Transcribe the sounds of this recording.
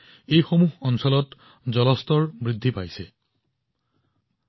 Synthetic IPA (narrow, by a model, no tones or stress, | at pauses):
ejxomuɦɔnsɔlɔt | zɔlɔstɔɹbɹid̪ʱːipajsɛ